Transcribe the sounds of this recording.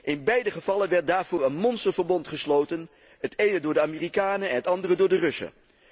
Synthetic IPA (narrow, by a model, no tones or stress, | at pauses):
ʔɪnbɛjdəχəv̥ɑlənʋɛɹt̚daːɹv̥ʊːɹənmɔnstəɹvəɹbɔntχəslowtən | ɦətʰejnədʊːɹdəaːmiːrikaːnəɛ̰nɦətɑndərədʊːɹdərɵsə̰